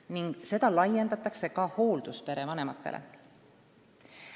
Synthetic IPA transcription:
niŋɡ̥se̞d̪̥ɑlɑje̞nd̪ɑt̪ːˑɑkse̞kɑho̞ːld̪̥uspe̞ɾe̞vɑne̞mɑt̪ːˑe̞̰lḛ

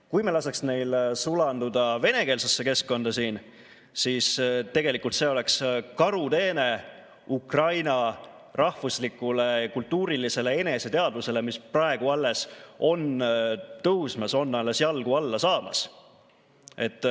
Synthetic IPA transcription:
kujmelɑseksne̞jlsulɑnd̪ud̪ɑve̞ne̞ke̞ːlsesːe̞ke̞skko̞nd̪̥ɑsiːn | siːst̪e̞ɡe̞likˑult̪se̞o̞le̞kskɑɾut̪e̞ːne̞ | ukrɑjnɑ | rɑhvuslikːˑule̞ɑkult̪ˑːuːɾilise̞le̞e̞ne̞se̞t̪e̞ɑd̪luse̞le̞misprɑe̞ɡ̥uɑlːe̞so̞nt̪ɤwsmɑso̞nːɑle̞sjɑlɡ̥uɑlːɑsɑːmɑ̰s | e̞t̪ːˑ

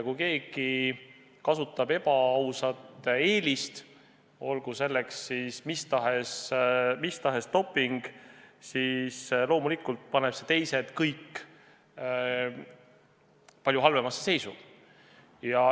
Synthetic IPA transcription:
kujke̞ːɡ̥i | kɑsut̪ːˑɑbe̞b̥ɑɑwsɑt̪ːeːlist̪ | o̞lɡ̥use̞lːekssismist̪ɑɦesmist̪ɑɦest̪o̞pːˑiŋɡ̥sislo̞ːmulikːˑult̪̚pɑne̞pse̞t̪e̞jse̞t̪kɤjkː | pɑljuɦɑlve̞mɑsːese̞jsṵ̥ | jɑ

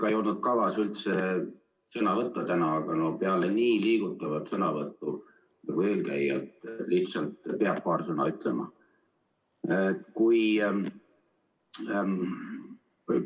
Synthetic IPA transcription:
kɑejo̞lnud̪̥̚kɑvɑsylt̪se | sɤnɑvɤt̪ˑːɑt̪ænɑːɡ̥ɑno̞peɑleniːliːɡ̥ut̪ːˑɑvɑt̪sɤnɑvɤt̪ːˑu | nɑɡ̥ue̞ːlkæ̰jḛt̪ːˑliht̪sɑlt̪peɑb̥̚pɑːrsɤnɑ̰yt̪ˑle̞mɑ̰ | ekuj | ku

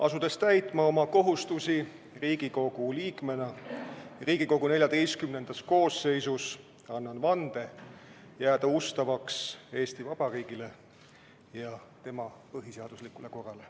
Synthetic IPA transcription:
ʔɑsud̪e̞st̪æjt̪ˑmɑo̞mɑko̞ɦust̪usi | riːɡiko̞ɡ̥uliːkme̞nɑ | riːɡ̥iko̞ɡ̥une̞lʲjɑd̪e̞jst̪̚kymne̞nd̪̥ɑsko̞ːsːe̞jsus | ɑnːɑnvɑnd̪̥e̞ | jæːd̪̥ɑust̪ɑvɑkse̞ːst̪ivɑb̥ɑriːɡ̥ile̞ | jɑ | t̪e̞mɑpɤɦiseɑd̪̥uslikːˑule̞ko̞rːɑle̞

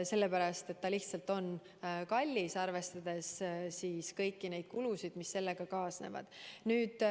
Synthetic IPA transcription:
se̞lːe̞pæɾɑst̪e̞t̪ːɑliht̪sɑlt̪o̞n | kɑlʲːisɑrve̞st̪ɑd̪̥e̞ssiːskɤjkːine̞jd̪̥̚kulusid̪̥misːe̞lːe̞ɡ̥ɑkɑːsne̞̰vɑ̰d̪̥nyːd̪̥

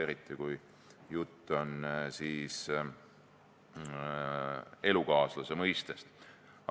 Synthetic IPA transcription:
eɾit̪ːˑikuj | jut̪ːo̞nsiːs | e̞lukɑːslɑsemɤjst̪est̪

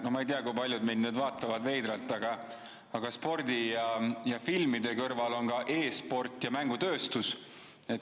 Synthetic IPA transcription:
nomɑejt̪iɑkujpɑlʲjud̪mid̪neːd̪vɑːt̪ːˑɑvɑd̪ve̞jd̪ɾɑlt̪ːˑɑɡ̥ɑ | ɑɡ̥ɑspo̞rd̪̥ʲijɑjɑfilmid̪e̞kɤrvɑlo̞nkɑʔe̞ːspo̞rt̪ˑjɑmæŋɡ̥ut̪øːst̪us | et̪ː

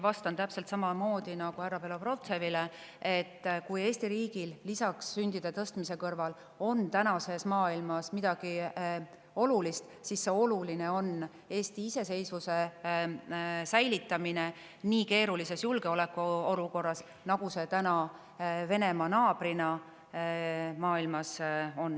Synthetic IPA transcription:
vɑst̪ɑnt̪æpse̞lt̪sɑmɑmo̞ːd̪inɑɡ̥uæɾɑpelopro̞t̪se̞vile | e̞t̪ːkuje̞ːst̪iɾiːɡ̥illːisɑksːynʲd̪̥id̪̥et̪ɤst̪mise̞kɤrvɑl | o̞nt̪ænɑse̞smɑːilmɑsmid̪̥ɑɡ̥i | o̞lulist̪ | sisːe̞o̞luline̞o̞n | e̞ːst̪iise̞se̞jsvuse̞ | sæjlit̪ˑːɑmine | niːke̞ːɾulise̞sjulɡeo̞le̞kːˑuo̞luko̞rːɑs | nɑɡ̥use̞t̪ænɑ | ve̞ne̞mɑnɑːb̥rinɑ | mɑːilmɑso̞nː

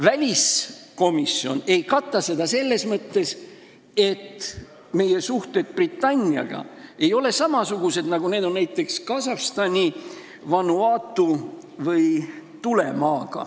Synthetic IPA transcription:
vælʲisko̞misjo̞̰ne̞jkɑt̪ːˑɑse̞d̪̥ɑse̞lːe̞smɤt̪ːe̞s | e̞t̪ː | me̞je̞suht̪e̞d̪̥̚prit̪ːˑɑnʲiɑ̰ɡ̥ɑ̰e̞jo̞le̞sɑmɑsuɡ̥use̞d̪̥nɑɡune̞ːd̪o̞nnæjt̪ːˑe̞kskɑsɑfst̪ɑnʲi | vɑnuɑːt̪ːˑu | vɤjt̪ule̞mɑːɡ̥ɑ̰

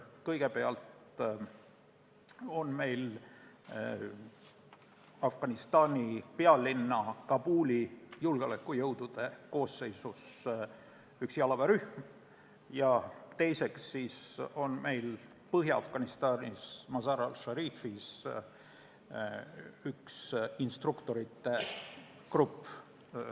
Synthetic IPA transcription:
kɤjɡ̥e̞pe̞ɑlt̪ | o̞nme̞jl | ɑfɡ̥ɑnist̪ɑːnʲipe̞ɑlinːɑkɑbuːlijulɡ̥eolekːˑujɤwd̪̥ud̪̥e̞ko̞ːsːe̞jsus | yksiɑlɑvɑɾyhm | jɑt̪e̞jse̞ksːiːso̞nme̞jl | pɤɦjɑɑ̰fɡ̥ɑnist̪ɑːnʲismɑsɑɾɑlʃɑɾiːfis | yksinst̪rukt̪o̞ɾit̪ːˑe̞ | krupː

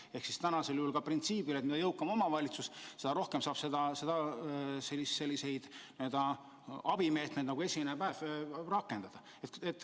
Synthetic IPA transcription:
e̞hksist̪ænɑse̞ljuhulkɑprint̪siːbilet̪mid̪ɑjɤwkːˑɑmo̞mɑvɑlʲit̪susse̞d̪ɑɾo̞hkemsɑːb̥se̞d̪ɑse̞d̪̥ɑselːisse̞lʲːise̞jd̪̥ned̪̥ɑ | ɑb̥ime̞ːt̪mejd̪nɑɡue̞sʲimenepæːvrɑkːˑe̞nd̪̥ɑd̪̥ɑ | et̪et̪ːˑ

